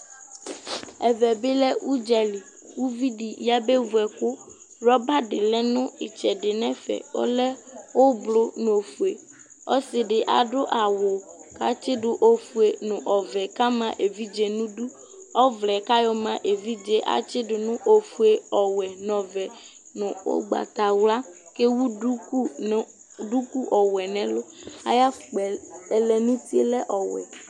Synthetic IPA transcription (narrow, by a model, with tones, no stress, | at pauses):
ɛ˨vɛ˨bɪ˦lɛ˦u˦d͡ʒɛ˨li˨ | wu˦vi˦ɖi˨ja˦be˦vu˨ɛ˨kʊ˦ | ɾɔ˦ba˦ɖɪ˨lɛ˦nʊ̃˦ɪ˨t͡ʃɛ˨ɖɪ˨nɛ̃˦fɛ̰˨wo̰˦lɛ˦wo˦blʊ˦n˨o˨fu˨e˨ | ɔ˦sɪ˨ɖɪ˨ʔa̰˨ɖʊ˦ʔa˨wʊ˨ka̰˦t͡ʃɪ˦ɖʊ˨ʔo˦fu˨e˨nʊ̃˨ʔɔ˨vɛ˨ka˦mã˨ʔe˨vi˦d͡ʒe˨nũ˦du˦ | ɔ˦vlɛ˨ka˦jɔ˦mã˦˨ʔe˨vi˦d͡ʒe˦ʔa̰˨t͡ʃɪ˦dʊ˨nʊ̃˦ʔo˦fu˦e˦ɔ˨wɛ˨nɔ̃˨vɛ˨ | nʊ̃˨o̰˦ɡ͡ba̰˨t̪a˨wla˦ | ke˦wu˦u˦u˦ | ɖu˦ku˦ʔɔ˨wɛ˨nɛ̃˦lʊ˦a̰˦ja˦˨k͡pɛ˨ɛ˨lɛ˨nũ˦t̪i˦e˦lɛ˦ʔɔ˨wɛ̰˨